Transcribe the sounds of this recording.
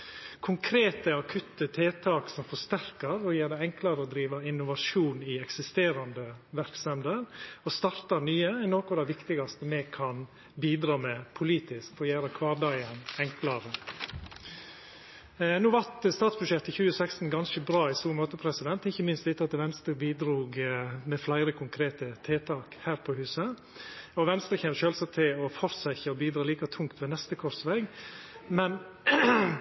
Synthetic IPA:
kʰʊŋkʰɾeːt̪əɑkʰʉt̪ːət̪ʰeːt̪ʰɑːksɔmfɔʂst̪æɾkəɾɔjeːɾd̪ɛɛŋklɑɾəɔd̪ɾiːʋɑɪnːʊʋɑʂuːnɪɛksɪst̪eːɾɑnd̪əʋæɾksɛmd̪əɾɔst̪ɑɾt̪ɑnyːəɛnoːkʊd̪ɛʋɪkt̪ɪɡɑst̪əmɛkʰɑn | biːd̪ɾɑːmɛpʰʊliːt̪ɪskfɔjeːɾəkʰʋɑːɖɑɪənɛŋklɑɾə | nuːʋɑɾt̪st̪ɑːt̪sbʉʃɛt̪ɪçʉːəsækst̪n̩ɡɑnʃəbɾɑːɪsuːmoːt̪əpʰɾɛsɪd̪ɛnt̪ɪçːəmɪnst̪ɪt̪ːəɑt̪ʋɛnst̪ɾəbiːd̪ɾuːɡmɛflæɪɾəkʰʊŋkʰɾeːt̪ət̪ʰeːt̪ʰɑːkhæːɾpʰɔhʉːsə | ɔʋɛnst̪ɾəçɛʋʃøːlsɑt̪ʰːɪlɔfɔɾsæɪçəɔbiːd̪ɾɑːliːkɑt̪ʰʊŋkt̪ʋɛːnɛst̪əkʰɔɾsʋɛɡmɛn

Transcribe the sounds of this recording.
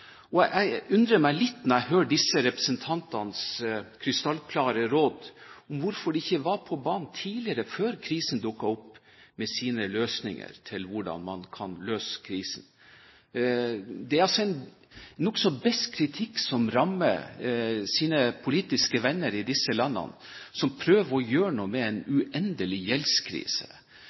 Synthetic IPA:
ɔæɪʉnd̪ɾəmæɪlɪt̪ːnɛɾæhøːɖɪsəɾɛpɾəsənt̪ʰɑnt̪ɑnskʰɾɪst̪ɑlkʰlɑːɾəɾoːd̪ʊmʋʊɾfɔɖɛɪçːəʋɑɾpʰɔbɑːnnt̪ʰiːlɪəɾəføːɾkʰɾiːsənd̪ʊkːɑɔpː | mɛsiːnəløːsnɪ̰ŋə̰ɾt̪ʰɪlʋʊɖɑ̰nmɑ̰nkʰɑnløːskʰɾiːsn̩ | d̪ɛæɾɑlsɔɛɪn | nɔksɔbɛst̪kʰɾɪt̪ʰɪkːsɔmɾɑmːə̰ | siːnəpʰʊliːt̪ɪskəʋɛnːəɾɪd̪ɪsːəlɑnːə̰n | sɔmpʰɾøːʋəɔjøːɾəɳuːmɛɛnʉʔɛnd̪əlɪjɛlskʰɾḭːsə̰

